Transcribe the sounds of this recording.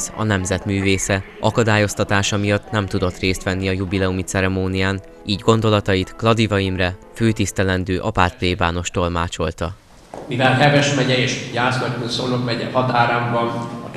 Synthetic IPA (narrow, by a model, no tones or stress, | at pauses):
sɒ̰nɛmzɛt̪myːveːsɛ | ʔɒkɒd̪aːjo̞st̪ɒt̪aːʃɒmijɒt̪ːnɛmt̪ud̪o̞t̪reːst̪ʋɛnːiɒjubilɛumit̪sɛɾɛmoːnijaːn | iːɟɡo̞nd̪o̞lɒt̪ɒjit̪klɒd̪ivɒjimrɛføːt̪ist̪ɛlɛnd̪øːʔɒpaːt̪̚pleːvaːno̞ʃt̪o̞lmaːt͡ʃo̞lt̪ɒ | mivɛlhɛvɛʃmɛɟɛeːʃjaːslɒculsolokmɛɟɛ̰hɒt̪aːɾaːmbɒnɒ